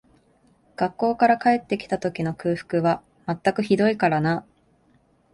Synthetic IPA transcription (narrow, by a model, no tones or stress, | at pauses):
ɡ̥akːo̞ːkaɾakae̞t̪ːe̞kʲi̥t̪at̪o̞kʲino̞kɯ̟ːɸɯ̥kɯ̟βa | mat̪ːakɯ̟çid̪o̞ikaɾana